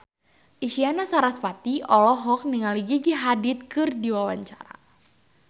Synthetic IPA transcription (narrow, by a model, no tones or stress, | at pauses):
ʔiʃianasaɾasfat̪iʔɔlɔɦɔk̚niŋaliɡiɡiɦadɪt̪̚kɨrdiwawaɲt͡ʃaɾa̰